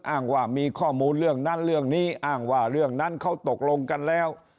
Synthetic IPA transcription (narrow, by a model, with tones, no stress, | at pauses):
ʔaː˨˩ŋwaː˧˩miː˧kʰɔː˥˩muː˧nɾɯ˥˩əŋna˦˥˩nɾɯ˥˩əŋniː˦˥˩ʔaː˨˩ŋwaː˧˩ɾɯ˥˩əŋna˦˥˨nkʰa˦˥˩wt̪o˨˩k̚lo˧ŋka˧nlɛː˦˥˩w